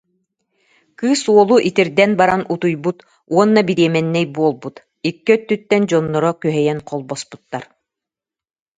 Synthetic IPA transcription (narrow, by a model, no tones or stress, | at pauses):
kɯːsuɔlˠuʔit̪iɾd̪ɛnbaɾanut̪ujbut̪ | uɔnːabiɾiɛmɛnːɛjbuɔlˠbut̪ | ikːɛœt̪ːyt̪ːɛnd͡ʑɔnːɔɾɔkyɦɛjɛnqʰɔlˠbɔspu̥t̪ːaɾ